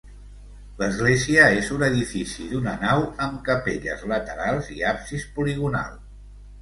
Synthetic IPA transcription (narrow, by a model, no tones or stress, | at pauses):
ləzɣleziəezunəðifisiðunənawəmkəpeʎə̰zlət̪əɾalˠziapsispuliɣuna̰lˠ